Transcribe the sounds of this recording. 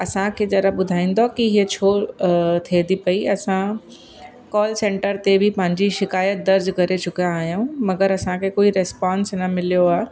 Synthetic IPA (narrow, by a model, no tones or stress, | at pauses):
ɐsãkʰed͡ʑɐɾəɓʊd̪ʱaːĩːn̆d̪okiɦiet͡ɕʰoːt̪ʰed̪ipɐiɐsã | kɔːlsẽːɳʈəɾt̪ebʱɪpɐ̃ɦɪ̃ɲd͡ʑiʃɪkaːjət̪̚d̪ɐɾd͡ʑkɐɾet͡ɕʊkijãːɦijũmɐɡəɾɐsãkʰekoːiɾɛspãːnsnɐmɪlijoaː